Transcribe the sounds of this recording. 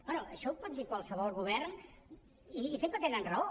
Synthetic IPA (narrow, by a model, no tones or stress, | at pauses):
bɛnuʔəʃɔpɔt̪̚d̪ikwalˠsəβɔlˠɣuβ̞ɛrn | iːsempɾət̪enənrəo